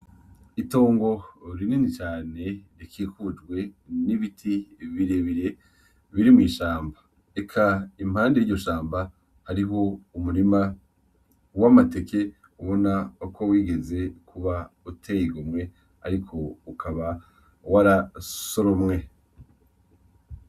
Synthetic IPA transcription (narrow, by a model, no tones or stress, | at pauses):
itoːŋɡo̞ɾininit͡ʃaːne̞ɾikʰiːkud͡ʒɡwe̞niβitʰiβiɾe̞βiɾe̞ | βiɾimŋiːʃaːmba | ekʰaim̥haːndejijo̞ʃaːmba | haɾiɦo̞umuɾima | wamate̞ke̞ | uβo̞nako̞wiːɡe̞ze̞kʰuβautʰejiɡumŋe̞ | a̰ɾikʰo̞ukʰaβa | waɾaso̞ɾomŋe̞